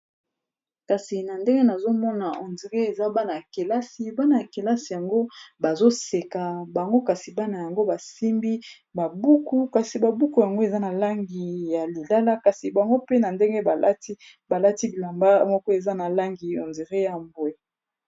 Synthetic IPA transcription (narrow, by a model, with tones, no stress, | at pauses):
ka˨si˨na˨nde˦ŋɡe˦na˨zo˦mɔ˦na˨ɔ˨nzi˨ʁe˦e˨za˦ba˦na˨ja˨ke˨la˦si˨ba˦na˨ja˨ke˨la˦si˨ja˨ŋɡo˦ba˨zo˦se˨ka˨ba˨ŋɡo˦ka˨si˨ba˦na˨ja˨ŋɡo˦ba˨si˦mbi˦ | ba˨bu˦ku˦ka˨si˨ba˨bu˦ku˨ja˨ŋɡo˦e˨za˦na˨la˦ŋɡi˨ja˨li˨la˦la˦ka˨si˨ba˨ŋɡo˦pe˦na˨nde˦ŋɡe˦ba˨la˦ti˦ | ba˨la˦ti˦i˨la˨mba˦mɔ˦kɔ˦e˨za˦na˨la˦ŋɡi˨ɔ˨nzi˨ʁe˦ja˨mbwe˨